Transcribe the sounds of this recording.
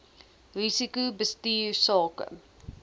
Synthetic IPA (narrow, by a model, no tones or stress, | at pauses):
risikubəstiːsɑːkə̰